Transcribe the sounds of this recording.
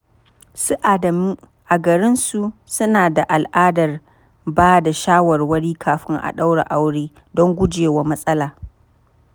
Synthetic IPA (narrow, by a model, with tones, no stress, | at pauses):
su˦ʔa˨dɐ˨mi˦ | ʔa˨ɡɐ˨ɾɪ˦nsu˨sʊ˦naː˨da˨ʔa˨lʔaː˦dɐ˨r | baː˦da˨ʃaː˦wɐ˨rwɐ˦ɽiː˦kʰaː˨ɸɪ˦ŋʔa̰˨ɗa˦wɽa̰˨ʔa˦wɽeː˦ | dɔ˦ŋɡʷʊ˦d͡ʒeː˨wa˦mɐ˦sʼɐ˦laː˨